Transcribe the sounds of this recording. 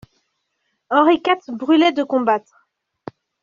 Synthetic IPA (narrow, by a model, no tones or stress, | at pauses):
ɑ̃ʁikat̪bʁylɛd̪əkɔ̃bat̪χ